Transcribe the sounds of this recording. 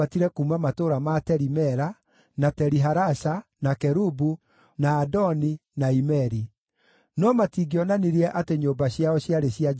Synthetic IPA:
atiɾɛkumamatoɾamatɛɾimɛɾa | natɛɾiɦaɾaɕanakɛɾubu | naːdɔninaimɛɾi | nɔmatiɡiɔnaniɾiɛʔateɲoːmbaɕjaɔɕjaɾeɕia

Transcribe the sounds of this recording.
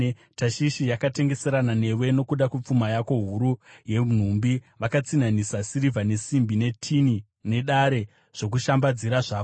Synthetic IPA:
taʃiʃijakate̞ŋɡe̞se̞ɾanane̞we̞no̞kuɗakup͡fumajako̞ɦuɾuje̞n̤umbiʋakat͡sinanisasiɾivʱane̞simbine̞tʰini | ne̞ɗaɾe̞ | ʐ̥o̞k̬uʃambad͡ziɾaʐaːko

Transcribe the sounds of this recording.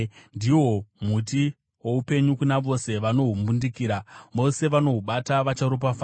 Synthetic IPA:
ndiwo̞m̤uti | wo̞upe̞ɲukunaʋo̞se̞ʋano̞ɦumbundikiːɾaʋo̞se̞ʋano̞ɦuɓataʋat͡ʃaɾop̬afaː

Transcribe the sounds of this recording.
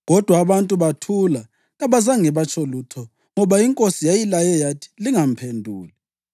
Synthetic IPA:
ɣɔd̥ʱwaːβantʼuβatʰula | ɣaβazaŋɛβat͡ʃʰʼɔlutʰɔ | ŋɔβaiŋkʼosijajilajɛjatʰi̥liŋam̩pʰendʱuːli

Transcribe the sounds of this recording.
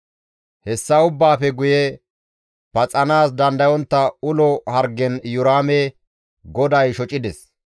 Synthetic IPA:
hɛsːɐʊbːaːfɛɡʊjɛ | pɐt͡sʼːɐnaːsd̪ɐnd̪ɐjɔnt̪ːɐʊlɔhɐɾɡɛnjʊɾaːme | ɡɔd̪ɐjʃɔt͡ʃʼɪd̪ɛs

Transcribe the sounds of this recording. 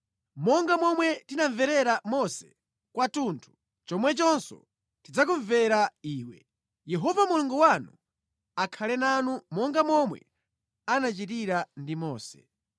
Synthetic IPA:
mɔŋɡamɔmwɛtinaɱvɛɾɛɾamɔsɛ̥ | kwatuntʰu̥ | t͡ʃɔmwɛt͡ʃɔnsɔ̰ | tid͡zak̬uɱvɛɾaiːwɛ | jɛɦɔvamuluŋɡɔwanu | akʰalɛnanumɔŋɡamɔmwɛ̰ | anat͡ʃitiɾandimɔːsɛ̥

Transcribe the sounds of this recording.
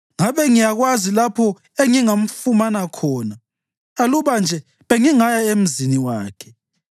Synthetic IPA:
ŋaβɛŋijaɣwazilapʰɔ | eŋiŋam̩fumanakʰɔːnaː | luβand͡ʒʱɛ | βeŋiŋajaem̩ziniwaːkʰɛ̥

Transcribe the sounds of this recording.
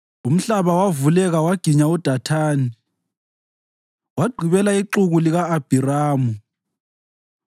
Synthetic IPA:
um̩ɬaβawavulɛɣawaɡ̥ʱiɲaud̥ʱatʰaːni | waɡ͡ǃʱiβɛlaiǃuɣuliɣaːb̥ʱiraːmu

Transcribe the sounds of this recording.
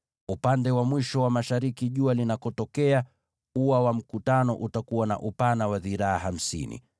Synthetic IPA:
upandɛwamwiʃɔwamaʃaɾikiʄualinakɔtɔkɛa | uwawam̩kutanɔ̰ʔutakuwana̰ʔupanawaðiɾaaɦam̩sḭnḭ

